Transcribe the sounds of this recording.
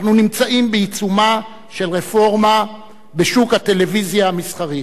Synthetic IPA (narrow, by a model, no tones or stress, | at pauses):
nunimt͡saʔimbeit͡suma | ʃe̞lʁe̞fo̞ʁma | beʃukhat̪e̞le̞vizjaamisχaʁit